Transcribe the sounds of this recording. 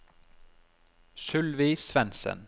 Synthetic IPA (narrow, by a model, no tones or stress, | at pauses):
ʃʉlʋiːsʋɛnsə̰n